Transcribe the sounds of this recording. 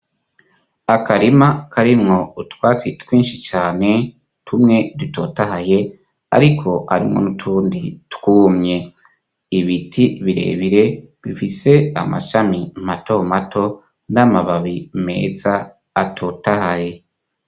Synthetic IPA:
akaɾimakʰaɾimŋo̞utwaːt͡sitwiːnʃit͡ʃaːne̞ | tʰumŋe̞duto̞tahaje̞ | a̰ɾikʰo̞ha̰ɾimŋo̞̰nutʰuːnditkuːmɲe̞ | iβitʰiβiɾe̞̰ːβiɾe̞ | βifise̞a̰ma̰ʃamimato̞matʰo̞ | namaβaβime̞̰ːzaː | tʰotahaje̞

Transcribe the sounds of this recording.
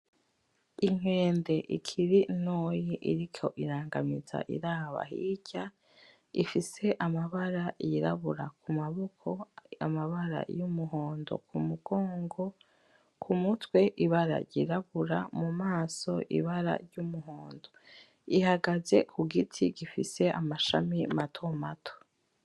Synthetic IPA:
iŋ̥e̞ːnde̞ʔikʰiɾinoːjiʔḭɾikʰo̞̰ʔiɾaːŋɡamiza̰ʔḭɾaːβa̰hḭɟ̥a | ifise̞ʔamaβaɾajiɾaβuɾa̰kumaβokʰoa̰maβaɾa̰jumuɦo̞ːndo̞̰kʰumuɡ̥o̞ːŋɡo̞ | kʰumutwe̞ʔiβaɾa̰ɾɟiɾaβuɾamumaːso̞ʔḭβaɾa̰ɾɟumuɦoːndo̞ | ihaɡaze̞kʰuɡitʰiɡifise̞ʔamaʃamimatʰo̞matʰo̥

